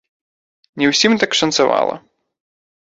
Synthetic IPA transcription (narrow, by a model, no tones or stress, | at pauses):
nʲɛwsʲimt̪akʂɐnt̪sava̰lˠɐ̰